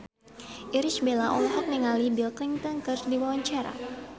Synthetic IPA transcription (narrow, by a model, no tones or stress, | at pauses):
ʔiɾit͡ʃbelaʔɔlɦɔk̚niŋalibilkiŋt̪aŋkɨrdiwawaɲt͡ʃaɾa̰